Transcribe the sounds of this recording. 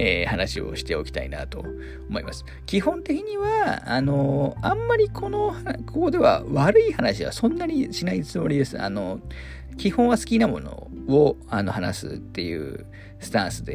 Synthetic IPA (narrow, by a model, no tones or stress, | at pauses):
eːhanaɕio̞̰ɕi̥t̪eo̞kʲi̥t̪aḭna̰t̪o̞̰ | omo̞imasɨ̥ | kʲihõ̞nt̪e̞kʲiɲ̟iβa̰ːno̞ãmːaɾʲikʰo̞no̞hakʰoko̞d̪e̞βa̰βaɾɯ̟ihanaɕiβa̰sõ̞nːaɲ̟iɕinait͡sɨmo̞ɾʲid̪e̞sɨa̰no̞ | kʲihõ̞ɰ̃βasɨ̥kʲinamo̞̰no̞̰oano̞hana̰sɨ̰t̪ːe̞jɯ̟̰ː | sɨ̥t̪ãɰ̃sɨd̪e̞